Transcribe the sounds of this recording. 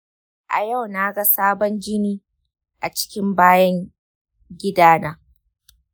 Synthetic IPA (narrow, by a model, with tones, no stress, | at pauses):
ʔa̰˨ja˦˨wna˦ɡa˦saː˦bɔ˦nd͡ʒɪ˦niː˦ | ʔa˨t͡ʃɪ̥˦kʲɪ˦mbaː˦jɐ˦ŋ | ɡʲɪ˦daː˦naː˦